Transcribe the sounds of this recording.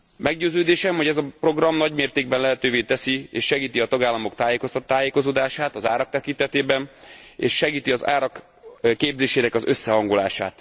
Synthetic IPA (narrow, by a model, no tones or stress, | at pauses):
mɛɡɟøːzøːd̪eːʃɛmho̞ɟɛzɒpro̞ɡrɒmnɒɟmeːrt̪eːɡ̚bɛnlɛɦɛt̪øːveːt̪ɛsieːʃʃɛɡiːt̪iɒt̪ɒɡaːlːɒmo̞kt̪aːjeːko̞st̪ɒt̪ːaːjeːko̞zoːd̪aːʃaːt̪ɒzaːɾɒk̚t̪ɛkint̪ɛt̪eːbɛnḛːʃʃɛɡiːt̪iɒza̰ːɾɒk | keːbzeːʃeːnɛkɒzø̞sːɛɦɒŋɡolaːʃa̰ːt̪